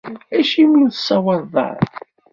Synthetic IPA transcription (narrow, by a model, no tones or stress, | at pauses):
æʃimuθsːɑwɑðˤɑ̰ɾˤ